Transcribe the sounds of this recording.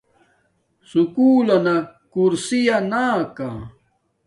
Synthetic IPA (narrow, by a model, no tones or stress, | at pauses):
sʊkuːlanakuɾsijanaːka̰ː